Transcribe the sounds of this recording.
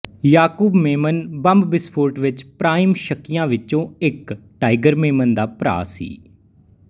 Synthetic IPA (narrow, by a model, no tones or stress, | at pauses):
jaːkuːbmeːmənbəmbbɪspʰoːɾʈʋɪt͡ʃpɾaːimʃəkːɪjãːʋɪt͡ʃõːɪkʈaːɪɡəɾmeːmənd̪aːpɾa̰ːsḭː